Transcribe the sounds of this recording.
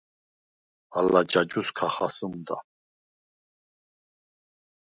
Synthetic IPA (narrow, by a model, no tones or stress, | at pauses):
alːad͡ʒad͡ʒuskʰaχasɨmd̪a